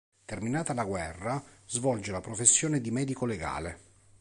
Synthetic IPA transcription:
t̪erminaːt̪alaɡwɛrːazvɔld͡ʒelapɾofesːjoːned̪imɛːd̪ikoleɡa̰ːle

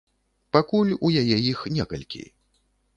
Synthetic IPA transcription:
pakulʲujajɛjixnʲɛkɐ̰lʲkʲḭ

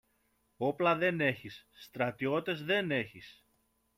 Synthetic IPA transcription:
o̞plɐðe̞ne̞çisːt̪ɾɐt̪io̞t̪e̞zðe̞ne̞çis

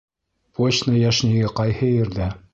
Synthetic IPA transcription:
pot͡ɕnəjæʃniɡɘqɑjhɤjɘ̆ɾd̪æ

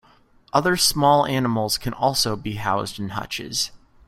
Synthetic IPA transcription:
ʔʌðə˞smɔlˠænəml̩ˠz̥kʰɨ̃nɔlˠsoʊbiɦaʊzdɨ̃n̩hʌ̰t͡ʃɪ̰z̥

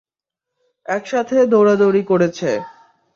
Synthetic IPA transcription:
ɛkʃat̪ʰed̪ʱoɾad̪oɾikoɾet͡ɕʰe

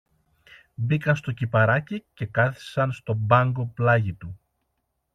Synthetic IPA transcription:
bikɐnst̪o̞cipɐɾɐcice̞kɐθi̥sɐnst̪o̞bɐŋɡo̞plɐʝit̪u

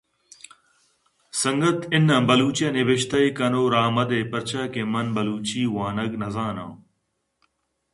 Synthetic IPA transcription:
sɐ̃ŋɡət̪ɪnɐ̃bɐluːt͡ɕjɐneʋɪʃt̪ɐikɐnoːɾaːmɐd̪eːpɐɾt͡ʃʰaːkẽmɐnbɐluːt͡ɕiːwaːnɐɡnɐzaːnã̰ː

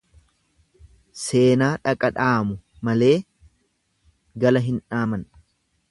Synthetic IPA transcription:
se̞ːnaːᶑɐkʼɐᶑaːmʊ | mɐle̞ː | ɡɐlɐɦɪnᶑaːmɐn

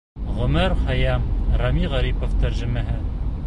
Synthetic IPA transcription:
ʁɵ̆mɘɾχɑjɑmrɑmiʁɑɾipoft̪æɾʒɘ̆mæɦɘ

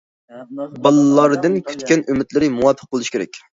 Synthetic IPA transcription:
bɑlˠlːɑɾd̪ɨnkʲʰy̥t̪kʲɛnʔymɪt̪lɪɾɪmuwɑpʰːə̥q̚b̥olˠuʃkʲʰeɾɛ̰kʲ

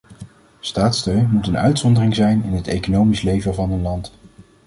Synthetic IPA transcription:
staːtstøɥnmutənœ̰ɥtsɔndərɪŋzɛjnɪnɦətejkonowmislejvəvɑnənlɑnt

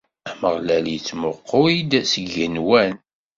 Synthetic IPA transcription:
æməʁlæljət͡sːmʊqʰːoid̪səɡənwæn

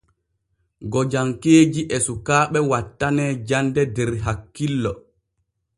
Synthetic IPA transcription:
ɡɔd͡ʒaŋkeːd͡ʒiʔɛsukaːɓɛwatːanɛːd͡ʒandɛdɛɾɦakːilːɔ

